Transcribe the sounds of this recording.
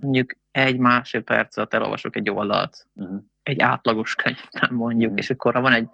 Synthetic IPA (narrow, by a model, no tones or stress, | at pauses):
mo̞ɲɟuk | ɛɟmaːʃepɛ̰rt̪sɒt̪ɛlo̰lvɒ̰ʃokɛɟːo̞ld̪ɒ̰lt̪ | ɛɟːaːt̪lɒɡo̞ʃkʰøɲvt̪ːɛmːo̞ɲɟukeːʃɒkːoɾɒvɒnɛɟ